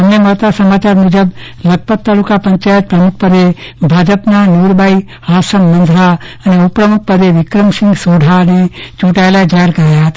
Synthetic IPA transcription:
ɦɐmnemɐɦt̪asɐmaːt͡ʃaːɾmuːd͡ʒəb | lɐɡ̚pət̪ːaːlukapɐ̃ɲt͡ʃaːjət̪̚pɾɐmʊk̚ʰpəd̪e | bʱaːd͡ʒəpnanuːɾbai | haːsəmːɐ̃nd̪ʱɾa | ɐneupɾəmʊk̚pəd̪eʋɪkɾəmsɪ̃ŋɡsoːɖʱanet͡ʃuːʈaelaed͡ʒaɦəɾkəɾajaɦt̪ː

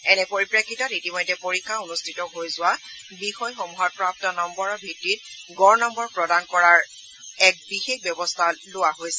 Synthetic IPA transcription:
ɛnɛpoɹipɹiakʰːitɔtitimɔjdɛpoɹikʰaunʊstʰitɔɦojzʊwa | bixɔjxɔmuɦɔt̚pɹap̚tɔnɔmbɔɹɔɹbʱitːit̚ɡɔɹnɔmbɔɹpɹɔdankɔɹaɹ | ɛk̚bixekbjɔbɔstʰalʊwaɦojsɛ

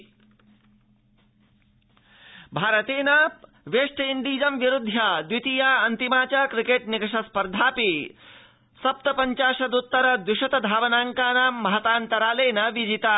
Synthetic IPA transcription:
bʱaːɾɐt̪eːnɐ | ʋeːʂʈɐind̪iːd͡ʒɐmʋiɾud̪ʱːjaːd̪wit̪ijaːɐnt̪imaːt͡ʃaːkɾikeːʈnikɐʂɐspɐɾd̪ʱaːpi | sɐp̚t̪ɐpɐɲt͡ʃaːʃɐd̪ut̪ːɐɾɐd̪uʃɐt̪ɐd̪ʱaːʋɐnaːŋkaːnaːmːɐɦɐt̪aːnt̪ɐɾaːleːnɐʋid͡ʒit̪aː

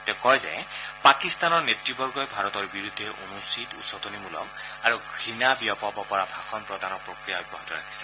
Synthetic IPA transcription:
tɛkɔjzɛ̰pakist̪anɔɹnetɹibɔɹɡɔjbʱaɹɔtɔɹbiɹud̪ʱːeʔo̰nusitṵsɔtonimulɔ̰maɹuɡʱɹinabiɔpɔbɔpɔɹabʱaxʰɔnpɹɔdanɔɹpɹokɹijaɔbɔɦatɔɹa̰kʰi̥sɛ̥

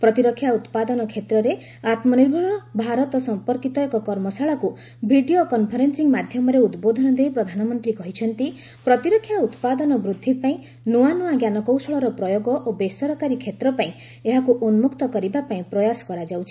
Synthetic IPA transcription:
pɾɔt̪iɾɔkʰːjaut̪pad̪ɔnɔkʰet̪ɾɔɾe | at̪mɔniɾbʱuɾɾɔbʱaɾɔt̪ɔsɔmpɔɾkit̪ɔekɔkɔɾmɔsaɭaku | bʱiɖiokɔnpʰɔɾensiŋmad̪ʱjɔmɔɾeud̪bod̪ʱɔnɔd̪ejpɾɔd̪ʱanɔmɔnt̪ɾikɔɦit͡ʃʰɔnt̪i | pɾɔt̪iɾɔkʰːjaut̪pad̪ɔnɔbɾud̪ʱːipaĩ | nuanuaɡjanɔkowsɔɭɔɾɔpɾɔjoɡɔʔobesɔɾɔkaɾikʰet̪ɾɔpaĩ | eɦakuʔonmukt̪ɔkɔɾibapaĩpɾɔjasɔ̥kɔɾad͡ʒawt͡ʃʰi̥

